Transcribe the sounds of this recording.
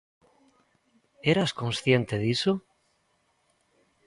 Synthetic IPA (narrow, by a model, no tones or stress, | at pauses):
eɾaskõnsθjent̪eðiso